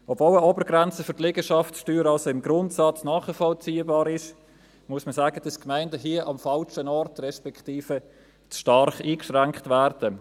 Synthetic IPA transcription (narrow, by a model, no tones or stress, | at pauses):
ɔbvoːləobəɾɡɾɛnt͡səfʏɾtlɛɡəʃɑftsʃtyːɾɑlsoɪmɡɾʊntsɑt͡snɑːχəfɔlt͡siːəbɑːɾɪʃ | muəsməsaːɡ̥əd̥ɑskmæɪndəɦiəʔɑmfɑlʃənɔɾtrɛʃpɛktiːfə | t͡sʃtɑɾχiːkʃʁæŋkχtvæːɾd̥ə